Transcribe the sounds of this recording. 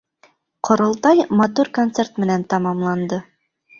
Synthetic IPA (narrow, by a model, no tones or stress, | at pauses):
qŏɾɤ̆lˠt̪ɑjmɑt̪uɾkont̪sert̪mɘ̆nænt̪ɑmɑmlˠɑnd̪ɤ